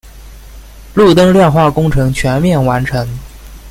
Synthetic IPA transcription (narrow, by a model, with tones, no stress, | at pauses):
lu˥˩t̪̬ɤ˥ŋljɛ˥˧nxwa˥˩kʊ˥ŋʈ͡ʂʰɤ˧˥ŋt͡ɕʰɥɛ˧˥nmjɛ˥˩nwa˧˥nʈ͡ʂʰɤ˧˥ŋ